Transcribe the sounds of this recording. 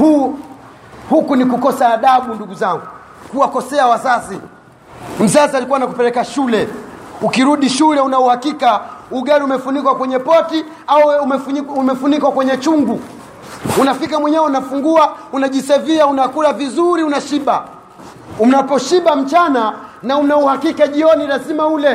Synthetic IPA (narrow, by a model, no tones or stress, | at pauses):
hu | hukunikukɔsaːɗaɓunduɡuzaŋɡu | kuwakɔsɛawazazi | m̩zazialikuwanakupɛlɛkaʃulɛukiɾuɗiʃulɛunauhakikauɡaɾiumɛfunikwakwɛɲɛpɔti | au | umɛfunikwakwɛɲɛt͡ʃuŋɡu | unafikamwɛɲɛwɛunafuŋɡuaunaʄisaviaunakuɾavizuɾiunaʃiɓa | unapɔʃiɓam̩t͡ʃananaunauhakikaʄiɔnilazimaulɛ